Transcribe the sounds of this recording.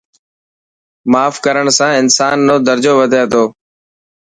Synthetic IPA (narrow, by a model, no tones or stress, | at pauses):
maːfkəɾəɳsãːɪnsaːnːõːd̪əɾd͡ʒoːʋəd̪ʱãːd̪oː